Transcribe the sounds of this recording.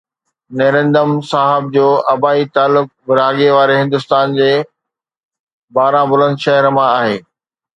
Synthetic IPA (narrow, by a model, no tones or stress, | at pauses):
neːɾə̃nd̪əmsaːɦɪb̚d͡ʑoːʔɐbaːit̪aːlːʊk̚bɪɾaːɡeʋaːɾeɦɪ̃nd̪ʊst̪aːnd͡ʑeː | baːɾãbʊlə̃nd̪ʃɐɦəɾmãaːɦeː